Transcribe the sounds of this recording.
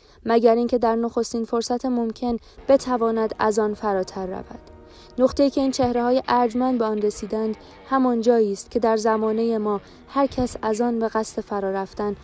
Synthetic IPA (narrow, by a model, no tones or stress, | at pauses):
mæɟæɾiːŋcʰe̞d̪æɾnoxo̞st̪iːnfo̞ɾsæt̪ʰemo̞mcʰe̞n | b̥e̞t̪ʰævɒːnæd̪æ̰zɒːnfæɾɒːt̪ʰæɾːæ̰væ̰d̪̥ | noχt̪ʰe̞jiːcʰeiːnt͡ʃʰe̞hɾehɒːje̞ʔæɾd͡ʒmænd̪̚beɒːnre̞siːd̪ænd̪ | hæmɒːnd͡ʒɒːjiːst̪̚cʰe̞d̪æɾzæmɒːne̞jemɒː | hæɾcʰæsæzɒːnbe̞ɣæst̪e̞fæɾɒːɾæft̪æn